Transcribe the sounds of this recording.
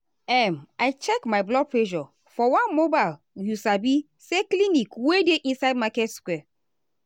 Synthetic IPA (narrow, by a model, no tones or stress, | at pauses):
ɛmaɪt͡ʃɛkmaɪblɔɡ̚pɹeʒɔ | fɔwãnmobaɪl | jusabi | seklinikwedeʔĩnsaɪd̚makɛtskwɛ